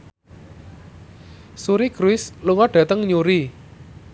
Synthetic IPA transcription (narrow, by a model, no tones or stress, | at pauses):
suɾiɡ̥ɾuɪsluŋɔɖ̥ä̤t̪əŋɲuɾi